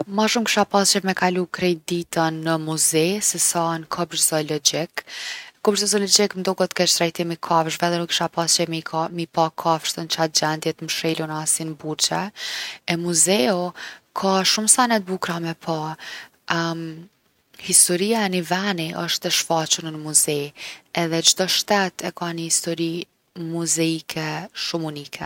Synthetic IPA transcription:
maʃumki̥ʃapast͡ʃɛvmɛkalukɾɛjd̪it̪ənːəmuzɛsɛsankʰɔbɾzɔlɔd͡ʑikkɔbɾzɔzɔlɔd͡ʒiknd̪ɔkɔt̪kɛt͡ʃt̪ɾajt̪imikʰavʃvɛðɛnukːi̥ʃapast͡ʃɛimipakʰafʃt̪ənt͡ʃat̪̚d͡ʑɛnd̪jɛt̪mʃilunasinbuɾt͡ʃɛɛmuzɛukʰaʃumsanɛt̪̚bukɾamɛpʰa | hist̪ɔɾiaɛnivɛniʔəʃt̪ɛʃfat͡ʃunənəmuzɛɛðɛd͡ʒd̪ɔʃt̪ɛt̪ʰɛkanəhist̪ɔɾi | muzɛikʰɛʃumunikʰɛ̰

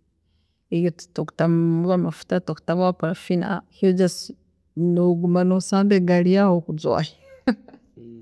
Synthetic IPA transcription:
ijottoku̥tamuβamafu̥tatoktaβapaɾafina̰hid͡ʒas | noɡumanosaːndeɡaɾijahokud͡zwa̰hi

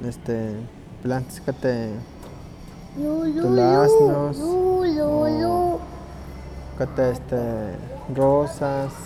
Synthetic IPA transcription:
est̪e | plant̪ḁskat̪e | juj̪olasnosujoju | kat̪eest̪e | rosas

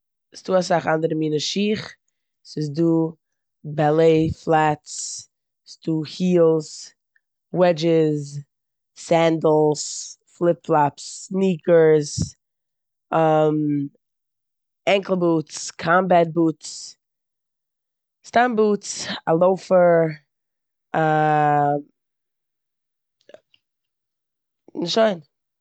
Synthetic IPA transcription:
ɪsduːasaχandəɾəmiːnəʃiːχ | sɪs̬duː | balˠeɪflˠat͡s | sd̥uːhiːlˠs | wɛd͡ʒɪzː | ɛndl̩ˠsflˠɪpflˠapsniːkə˞z | əm | ɛŋkl̩ˠbuːtskʰambat̚buːts | stambuːtsalˠoʊfə˞ | nɪʃoɪn

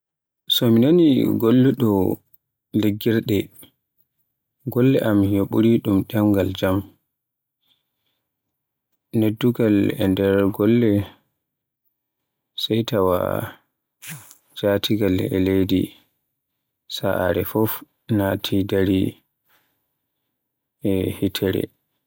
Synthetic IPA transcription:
sɔminaniɡɔlːɛɗɔ | leɡːiɾɗɛ | ɡɔlːɛʔamhjoɓuɾiɗumɗɛmɡald͡ʒam | nedːuɡalɛ̰ndɛɾɡɔlːɛ | sɛjtawa̰ | d͡ʒatiɡalɛ̰lejdḭ | saʔa̰ɾɛfɔf | natʰidaɾi | ɛhitʰɛɾɛ̰

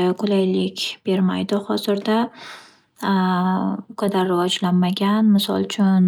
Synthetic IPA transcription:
kʰʊlajlɪkʲb̥e̞ɾma̰jd̪ɪhɒzɪɾd̪a | kʰod̪aɾːɪvɒd͡ʒlanmaɡʲanmɪsɒ̰lˠt͡ʃʰʊn

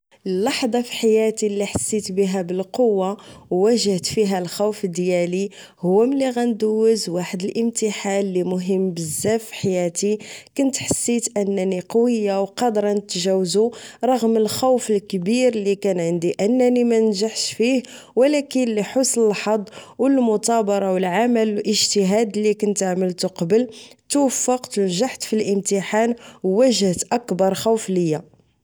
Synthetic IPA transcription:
ʔəlːɑħd̪ˤɑfi̥ħajæt̪ilːiħasːit̪bəɦæbəlqowːawːæʒəht̪fiɦælxuwfəd̪jæli | hʊwːæməlːiɣænd̪uwːəzwaħəd̪əlʔəmt̪əħanːimʊɦəmːbəzːæfi̥ħajæt̪ikʊnət̪ħasːit̪ʔənːæniqɑwəjːawqɑd̪ɾˤɑnət̪ʒæwzuɾˤɑɣməlxawfəlkbiɾlikænʕənd̪iʔənːænimænənʒaħʃfih | wəlækənliħosnəlħɑd̪ˤwəlmʊt̪ˤɑbɑɾˤɑwəlʕaməllʔəʒt̪əɦæd̪likʊnt̪aʕməlt̪uqɑbəlt̪wəfːəqt̪əlʒaħt̪filʔəmt̪əħanwːæʒht̪ʔækbɑɾˤxuwfləjːa

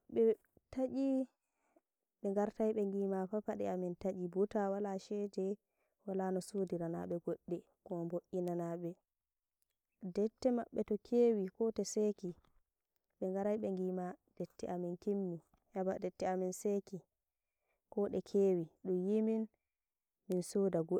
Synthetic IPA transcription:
ɓɛ | taʔi | ɓɛŋɡaɾtajɓɛŋɡimapapaɗɛ̰amɛntaʔibutawalaʃɛd͡ʒɛ | walanɔsodiɾana̰ɓɛɡoɗːɛ | kɔmboʔːinanaɓɛ | dɛtːɛmaɓːɛtɔkʰeːwikɔtɛsɛki | ɓɛŋɡaɾajɓɛŋɡimad̥ɛtːɛʔaminkimːi | habadɛtːɛaminseki | kɔɗɛkʰeːwiɗumjimin | minsodaɡo

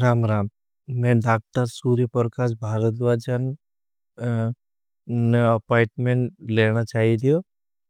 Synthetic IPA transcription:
ɾaːmɾaːm | mɛ̃ɖaːk̚t̪əɾsuːɾjəpəɾkaːsbʱaːɡət̪ʋaːd͡ʒən | neɐpaɪʈmẽɳʈleːnat͡ʃaːɦid̪ijo

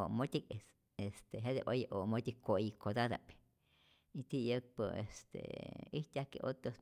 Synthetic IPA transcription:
oʔmõt̪ʲikes | est̪eɦed̪ebojaʔomot̪ʲikʷoikod̪ad̪a̰p | it̪ijək̚pəest̪ḛiht̪ʲakḛʔot̪o

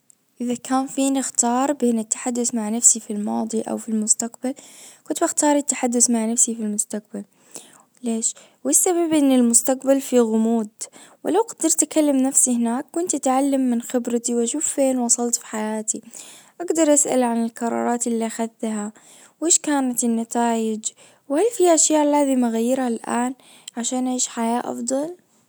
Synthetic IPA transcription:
ʔɪðakʰaːnfiːnɪxt̪ɑːɾˤbeːnɪt̪ːḁħad̪ːʊθmaʕnafsifilmɑːd̪ˤiʔa̰wfilmʊst̪aqbalkʊnt̪baxt̪ɑːɾˤɪt̪ːaħad̪ːʊθmaʕnafsifilmʊst̪aq̚bal | leːʃ | wɪsːababʔɪnːɪlmʊst̪aqbalfiɣʊmuːd̪wɪlawqad̪ɑɾˤt̪ʔakalːamnafsihɪnaːkːʊnt̪ʔat̪ʕalːamːɪnxɪbɾat̪iwʔaʃuːfːeːnwɑsˤɑlt̪fi̥ħajaːt̪iʔaɡd̪ɑɾˤʔasʔa̰lʕanɪlkɑɾˤɑ̰ːɾˤɑːt̪ʔɪlːiʔaxaðːaɦa | wʔeːʃkaːnat̪ɪnːat̪aːjɪd͡ʒ | wɪhalfiːʔaʃjaːʔlːaːzɪmʔaɣajːɪɾhalʔa̰ːn | ʕaʃaːnʔaʕiːʃħajaːʔɑ̰fd̪ˤɑl

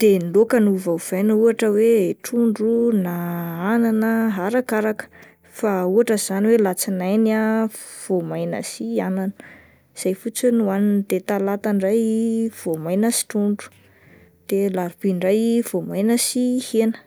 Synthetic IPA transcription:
d̪̥enlokənuvauv̥ajnuaʈ͡ʂəweʈ͡ʂuɳɖ͡ʐunaananəɦaɾakaɾakə̥ | fauaʈ͡ʂəz̥aniwelat͡sinajnav̥omajnə̰siananə̥ | z̥ajfut͡sinuanind̪et̪alat̪aɳɖ͡ʐajv̥omajnəsi̥ʈ͡ʂuɳɖ͡ʐu̥ | d̪̥elaɾb̥iɳɖ͡ʐajiv̥omajnəsihenə̥

